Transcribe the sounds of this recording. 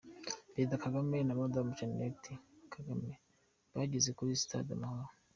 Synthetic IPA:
bedakaɡamenamodamut͡ʃennetikʰaɡame | βaːɟizekuɾisi̥tʰa̰da̰mahoɾo

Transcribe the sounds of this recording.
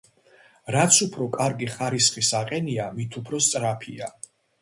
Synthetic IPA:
ɾat̪sʰupʰɾɔkʼaɾɡiχaɾisχisaqʼɛniamit̪ʰupʰɾɔst̪sʼɾapʰia

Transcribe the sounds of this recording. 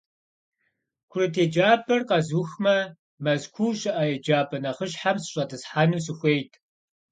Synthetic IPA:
kʷʰʊrɨtʰeːd͡ʒaːbʰɐrqɐzuːxmɐ | mɐzkʷʰuːɕʼɪʔɐjɛd͡ʒaːbʰɐnɐχəɕħamsɨɕʼɐtʰɨsħaːnɨmsɨxʷejtʰ

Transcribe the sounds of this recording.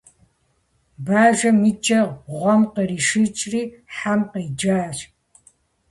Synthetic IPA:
baːʒʷɐmit͡ʃʼɐʁʁʷɔmqəriːʃɨt͡ʃʼriːħamqəjd͡ʒaːɕ

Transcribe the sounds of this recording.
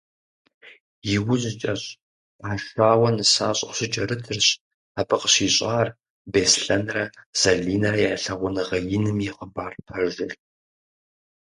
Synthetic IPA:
jɪwʊʑɪt͡ʃʼɐɕ | aːʃaːwɐnɨsaːɕʼɕɪt͡ʃʼɐɾɨtʰɨrɕ | aːpʰɨqəɕiːɕʼaːr | beːsɬɐnrɐz̥ɐɮiːnɐɾɐjaːɬɐʁʷʊnɨʁɐjɪnɨmiqəbaːrpʰɐʒɪɬ

